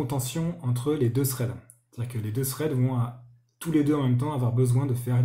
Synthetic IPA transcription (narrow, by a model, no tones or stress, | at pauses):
ɔ̃t̪ɑ̃sjɔ̃ɑ̃t̪χəled̪øsχɛd̪ | t̪ad̪iʁkəled̪øsχɛd̪vɔ̃a | t̪uled̪øɑ̃mɛmt̪̬ɑ̃avwaʁbəzwɛ̃d̪əfɛʁ